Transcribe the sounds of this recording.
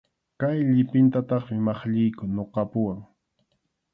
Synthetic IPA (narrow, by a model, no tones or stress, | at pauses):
kajʎɪpɪnt̪at̪ɑχmɪmɑχʎɪjkʊnoqɑpʊwaŋ